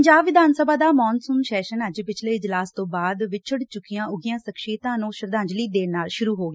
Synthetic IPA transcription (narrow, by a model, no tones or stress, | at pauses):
əɲd͡ʒaːbʋɪd̪ʱaːnsəbaːd̪aːmɔːnsʊmʃɛːʃənəd͡ʒpɪt͡ʃʰleːɪd͡ʒlaːst̪õːbaːd̪ʋɪt͡ʃt͡ʃʰʊɽt͡ʃʊkːijãːʔʊɡijãːsəkʃeːt̪ãːnũːʃəɾd̪ãːɲd͡ʒliːd̪eːnaːlʃʊɾuːɦoːɡeː